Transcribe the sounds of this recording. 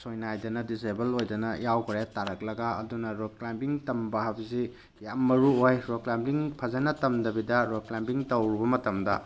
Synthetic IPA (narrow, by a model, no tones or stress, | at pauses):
sojnajdɐnɐdisebɐlojdɐnɐjawkʰɾaataɾɐk̚lɐɡɐɐ̰dunɐɾoklajmpiŋtɐmbɐɦɐbizi | jamːɐɾuojɾoklampiŋpʰɐzɐnɐtɐmdɐbidɐɾoklajmpiŋtɐwɾibɐmɐtɐmdɐ̰